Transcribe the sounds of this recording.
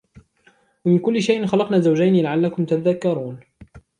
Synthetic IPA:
wamɪnkʊlːɪʃajʔɪnxɑlɑqnaːzawd͡ʒajnilaʕalːakʊmt̪aaðakːɑɾˤuːn

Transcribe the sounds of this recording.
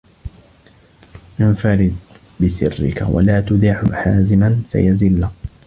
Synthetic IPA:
ʔɪnfaɾɪd̪̚ | bɪsɪrːɪ̰ka̰wa̰laːt̪ʊd̪aħʊħaːzɪmanfa̰jazɪlːa

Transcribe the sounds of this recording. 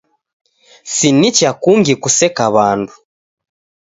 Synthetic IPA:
sinicakuːŋɡikusekaβaːndu̥

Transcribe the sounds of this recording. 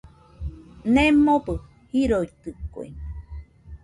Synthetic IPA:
nẽmobɨ | hiɾoit̪ɨkoḛ

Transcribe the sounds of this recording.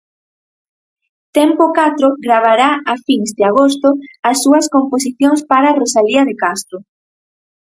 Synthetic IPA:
t̪ɛmpokat̪ɾoɡɾaβ̞aɾaʔafiŋzd̪ɪaɣ̞ost̪ʊɐsːuɐskomposiθjoŋspaɾarosaliɐðekast̪ɾʊ

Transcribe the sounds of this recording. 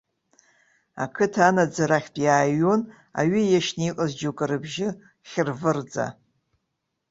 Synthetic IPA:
a̰kʰɨtʰanad͡zaɾaχʲtʼjaːɥon | a̰ɥijaʃniqʼəzd͡ʒokʼɨɾɨbʒɪ | χʲɪrvɨrd͡za̰

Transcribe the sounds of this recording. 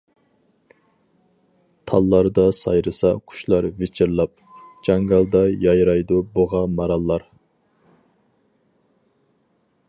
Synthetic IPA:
t̪ʰɑlˠːɑɾd̪ɑsɑjɾɨsɑqʰʊ̥ʃlˠɑɾvet͡ʃʰɪɾlˠɑp̚d͡ʒɑŋɡɑlˠd̪ɑjɑjɾɑjd̪uboʁɑmɑɾɑlˠːɑɾ

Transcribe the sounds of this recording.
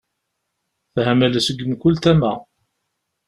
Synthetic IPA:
θhæmæləsəɡːəmkʊlt̪æmæ

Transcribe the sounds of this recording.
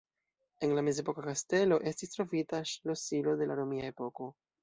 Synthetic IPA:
e̞nlame̞ze̞po̞kakaste̞lo̞ʔe̞stistɾo̞vitaʃlo̞silo̞de̞laɾo̞miae̞po̞ko̞

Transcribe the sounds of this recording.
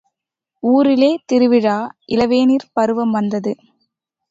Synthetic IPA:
uːɾɪleːt̪ɪɾɯʋɪɻaːʔɪlɐʋeːniːɾpɐɾɯʋɐmʋɐnd̪ɐðɯ

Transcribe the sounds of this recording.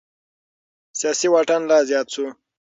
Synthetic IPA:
sjaːsiwaʈanlazjɑːt̪su

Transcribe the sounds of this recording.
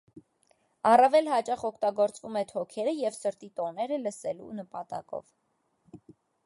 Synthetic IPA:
ɑrɑvɛlɦɑt͡ʃɑχɔkʰt̪ɑɡɔɾt͡svumɛt̪ʰɔkʰɛɾəjɛvsəɾt̪it̪ɔnɛɾələsɛlṵnəpɑt̪ɑ̰kɔ̰v

